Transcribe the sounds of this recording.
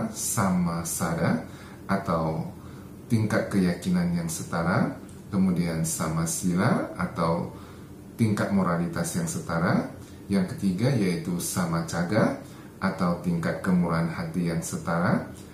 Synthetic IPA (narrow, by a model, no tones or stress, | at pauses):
samasada | ʔat̪aw | t̪iŋkat̪̚kəjakinanjaŋsət̪aɾa | kəmudiansamasilara̰t̪aw | t̪iŋkat̪̚moɾalit̪asjaŋsət̪aɾa | jaŋkə̥t̪iɡajait̪usamat͡ʃaɡa | ʔat̪awt̪iŋkat̪̚kəmuɾaanhat̪ijaŋsət̪aɾa